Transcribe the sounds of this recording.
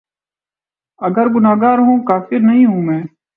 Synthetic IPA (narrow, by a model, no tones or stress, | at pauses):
əɡəɾɡʊnaːɡaːɾɦũːkaːfɪɾnəɦĩːɦũːmɛ̃ː